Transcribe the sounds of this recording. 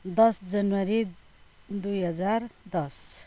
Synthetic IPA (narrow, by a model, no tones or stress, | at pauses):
d̪ʌsd͡zʌnwʌɾi | d̪ujɦʌd͡zard̪ʌs